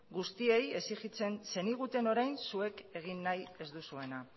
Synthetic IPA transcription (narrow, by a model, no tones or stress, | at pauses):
ɡust̪ie̞je̞siɣit͡se̞nse̞niɣ̞ut̪e̞no̞ɾajnsue̞ke̞ɣ̞inːaje̞zd̪usue̞na